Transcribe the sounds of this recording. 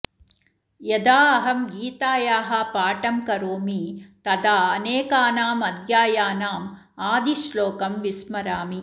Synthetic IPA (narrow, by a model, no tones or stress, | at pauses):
jɐd̪aːɐɦɐmɡiːt̪aːjaːɦɐpaːʈɐmkɐɾoːmit̪ɐd̪aːɐneːkaːnaːmɐd̪jaːjaːnaːm | aːd̪iʃloːkɐmʋismɐɾaːmi